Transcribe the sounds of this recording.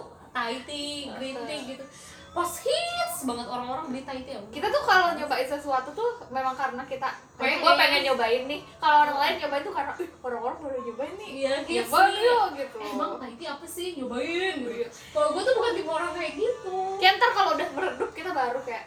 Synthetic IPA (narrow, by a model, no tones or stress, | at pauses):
t̪ait̪iɡɾit̪ːɪkɡit̪u | pashit̪sbaŋət̪oɾaŋoɾaŋbit̪ait̪iabkit̪at̪ʊkalod͡ʒobaɪt̪səsuat̪ut̪umemaŋkaɾənakit̪a | kajaɡuapeŋɛnd͡ʒobaɪt̪nɪhkaloːɾaŋlaɪnd͡ʒobaɪnt̪ukaɾənaʔʊoɾaŋoɾaŋbaɾɛd͡ʒobaɪt̪nɪjaiaaɡit̪ubaŋət̪ait̪iapasɪhd͡ʒobaɪnɡuja | kaloɡuat̪ubukant̪imoɾaŋkajak̚ɡit̪ukɛnt̪ərkaloudahməɾədʊp̚kit̪abaɾukajaʔ